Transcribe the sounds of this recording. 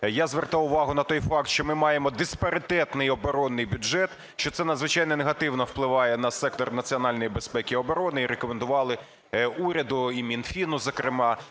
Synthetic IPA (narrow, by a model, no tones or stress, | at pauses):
jazʋert̪ɑwʊʋɑɦʊnɐt̪ɔjfɑk̚t̪ʃt͡ʃɔmɪmɑjemɔd̪ɪspɐɾɪt̪ɛt̪nɪjɔbɔɾɔnːɪjbʲʊʒɛt̪ | ʃt͡ʃɔt̪sɛnɐd̪zʋɪt͡ʃɑjnɛneɦɐt̪ɪwnɔwplˠɪʋɑjɛnɐsɛk̚t̪ɔrnɐt͡sʲiɔnɑlʲnɔjibespɛkʲiɔbɔɾɔnɪiɾekɔmend̪ʊʋɑlˠɪ | uɾʲɐd̪ʊimʲinfʲinʊzɐkɾɪmɑ